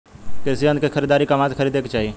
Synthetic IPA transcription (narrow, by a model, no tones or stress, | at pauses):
kesijə̃nkexʰəɾiːd̪aːɾikɐmãːt̪kʰəɾiːd̪eːkt͡ʃaːɦie